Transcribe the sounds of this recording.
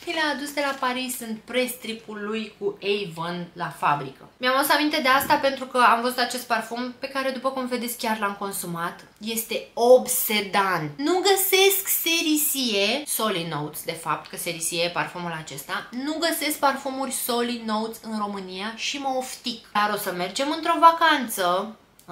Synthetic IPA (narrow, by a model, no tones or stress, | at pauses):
ilaːd̪usd̪e̞lapaɾisːɨnt̪̚pɾe̞st̪ɾipulːujkuejvənlafa̰bɾḭkə̰mʲamausamint̪e̞d̪e̞ast̪ape̞nt̪ɾukəamvəzut̪at͡ʃe̞st̪̚parfompe̞kaɾe̞d̪upəkumve̞d̪e̞tsʲkʲjarlamko̞nsumat̪ | je̞st̪e̞obse̞d̪annuɡəse̞skse̞ɾisieso̞lino̞wt̪sʲd̪e̞fa̰p̚t̪kəseɾisieparfomulat͡ʃe̞st̪anuɡəse̞sk̚parfomurʲso̞lino̞ut̪sʲɨnro̞mɨnijaʃiməoft̪ikd̪aɾo̞səme̞rd͡ʒe̞mɨnt̪ɾo̞vakant̪sə